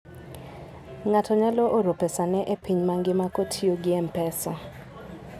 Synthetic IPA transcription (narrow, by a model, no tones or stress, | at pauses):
ŋatɔɲalɔʔoɾopesanɛʔepiɲmaŋɡɪmakotʰioɡɪɛmpɛsɔ